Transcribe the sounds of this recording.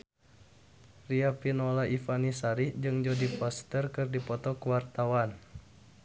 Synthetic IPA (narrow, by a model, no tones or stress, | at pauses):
riapinɔlaʔifanisaɾihd͡ʒɨŋd͡ʒɔdipɔst̪ərkɨrdipɔt̪ɔkəwart̪awan